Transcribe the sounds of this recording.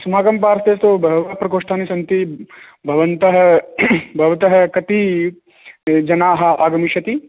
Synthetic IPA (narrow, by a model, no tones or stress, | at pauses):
sɐmaːkɐmpaːɾst̪eːst̪obʱɐʋapɾɐkoːʂʈʰaːnisɐnt̪ibʱɐʋɐnt̪ɐɦɐ | bʱɐʋɐt̪ɐɦɐkɐt̪i | d͡ʒɐnaːɦɐ̆ʔaːɡɐmiʃɐt̪i